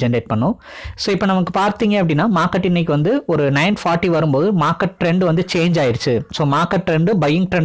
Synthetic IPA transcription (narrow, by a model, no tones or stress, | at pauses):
ɛɳɖeːʈ̚pɐɳːʊ̃ | soːɪpːoːnɐmɐkːɯpaːɾt̪iːŋɡɐɐpːɐɽɪnːaːmaːkɐʈːɪnːɐɪkːɯʋɐnd̪ɯɔɾɯnɐɪnfaːɾʈːiʋɐɾɯmpoːðɯmaːɾkɐʈʈɾɛɳɖɯʋɐnd̪ɯt͡ʃeːɲd͡ʒaːjɪɾɯt͡ʃːɯsoːmaːkɐʈʈːɾɛɳɖɯbɐjɪŋɡ̚ʈɾɛɳ